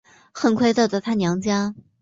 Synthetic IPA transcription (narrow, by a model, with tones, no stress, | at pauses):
xə˥˩nkʰwe˥˧ɪt͡sɤ˥˩d̪ə˨˩t̪ʰa˥njɑ˧˥ŋt͡ɕjɑ˥